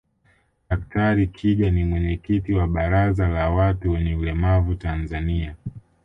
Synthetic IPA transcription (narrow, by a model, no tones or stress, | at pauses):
ɗaktaɾikʰiʄanimwɛɲɛkitiwaɓaɾazalawatuwɛɲɛulɛmavutanzania